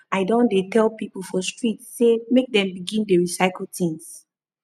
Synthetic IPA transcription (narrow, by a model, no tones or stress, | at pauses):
aɪdõndetʰɛlˠpipl̩ˠfɔstɹitsemek̚dɛ̃mbiɡĩndəɹisaɪkl̩ˠtĩŋs